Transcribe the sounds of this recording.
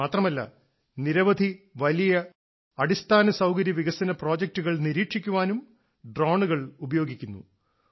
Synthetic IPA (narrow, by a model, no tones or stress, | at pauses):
aːt̪rɐmɐlːɐ̰ | niɾɐʋɐd̪ʱiʋɐlijɐ | ɐɽist̪ʰaːnɐsɐwkɐɾjɐʋiɣɐsɐnɐpro̞ːd͡ʑek̚tuɣɐɭniɾiːʈʂikʲːuʋaːnum | ɖroːɳuɣɐɭubɐjoːɡikʲːunːṵ